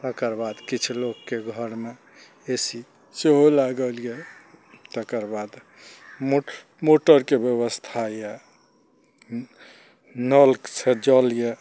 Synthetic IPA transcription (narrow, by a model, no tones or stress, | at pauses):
t̪əkəɾbad̪kit͡ʃʰlokːeɡʱəɾme | esi | seɦolaɡəlije | t̪əkəɾbad̪ | mo | moʈəɾkebjəβəst̪ʰajɛ | nəlksed͡ʒɔlje